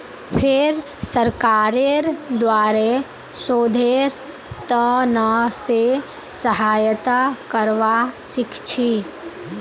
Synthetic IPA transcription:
pʰɪɾ | səɾkaːɾeɾd̪waːɾe | soːd̪ʱeɾ | t̪ənəse | səɦaːjt̪akəɾʋasɪkʰt͡ʃʰi

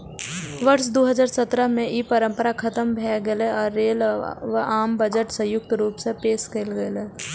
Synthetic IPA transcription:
ʋəɾʃd̪oːɦəd͡ʒaːɾsət̪ɾəmẽʔiːpəɾə̃mpəɾakʰɐt̪əmbʱɛːɡeleɔːɾːeːlʋəʔaːmbəd͡ʒəʈsə̃jʊk̚t̪ɾuːpsepeːskeːlɡəleː

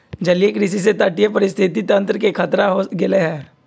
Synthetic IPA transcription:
d͡ʒɐlijekɾis̬is̬et̪əʈijepɐɾɪst̪ʰɪt̪it̪ə̃nt̪ɾəkekʰət̪ɾaɦoɡɪleɦɛː

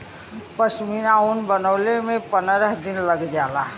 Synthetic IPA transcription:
pəsminaunbənəːlemẽpənɾəɦd̪ɪnləɡd͡ʒaːla

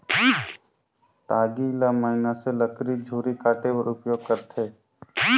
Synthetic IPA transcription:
ʈaːɡilaməɪnaseləkɾid͡ʒʱuːɾikaːʈepəɾʊpjoːɡ̚kəɾt̪ʰeː

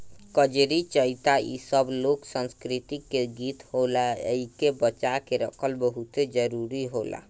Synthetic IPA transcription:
kəd͡ʒɾit͡ʃəit̪aḭsəbloksə̃nskɾit̪ikːeɡit̪holaə̰ikebət͡ʃakeɾəkʰəlbəɦut̪ed͡ʒəɾuɾiɦola̰

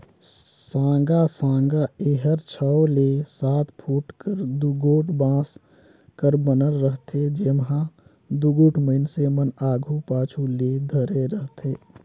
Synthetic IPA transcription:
sãːŋɡasãːŋɡaeːɦəɾt͡ʃʰəwlesaːt̪ʰpʰuːʈkəɾd̪uɡoːʈbãːs | kəɾbənəlːəɦt̪ʰed͡ʒeːmɦã | d̪uɡoːʈʰməɪnsemənaːɡʱupaːt͡ʃʰuled̪ʱəɾeɾəɦt̪ʰeː

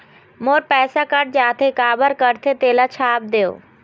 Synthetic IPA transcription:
moːɾpɛːsakəɖ̚d͡ʑaːt̪ʰekaːbəɾkəɾt̪ʰet̪eːlat͡ɕʰaːp̚d̪ejo̰ː

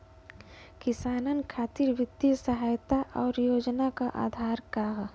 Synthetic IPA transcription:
kɪsaːnənkʰaːt̪iɾʋɪd̪isəɦaːjt̪aʔɔːɾjoːd͡ʒnakaʔa̰ːd̪ʱaːɾkaːɦ

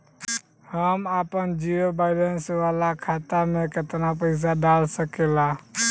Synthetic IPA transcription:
həmaːpənd͡ʒiːɾobaːɪlensʋaːlakʰaːt̪amẽkət̪napəɪs̬aɖaːlsəkela

